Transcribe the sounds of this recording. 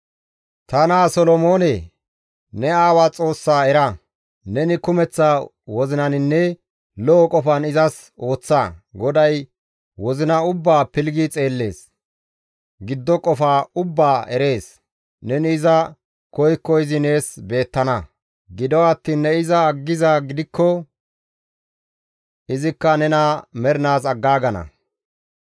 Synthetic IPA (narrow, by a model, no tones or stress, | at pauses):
t̪ɐnaːsɔlɔmoːne | nɛaːwat͡sʼo̞ːsːaːɛɾɐ | nɛnɪkʊmɛt͡sːaː | wɔzɪnɐnɪnːɛ | lɔɔkʼɔfɐnɪzɐs | o̞ːt͡sːaɡɔd̪ɐj | wɔzɪnɐʊbːaːpɪlɡit͡sʼe̞ːlːe̞̰ːs | ɡɪd̪ːɔkʼɔfaːʊbːaːʔɛɾe̞ːs | nɛnɪzɐ | kɔjkːɔɪzɪne̞ːsbe̞ːt̪ːɐnɐ | ɡɪd̪ɔwɐt̪ːiːnːɛɪzɐːɡːɪzaɡɪd̪ɪkːɔ | ɪzɪkːɐnɛnɐmɛɾɪnaːsɐɡːaːɡɐnɐ̰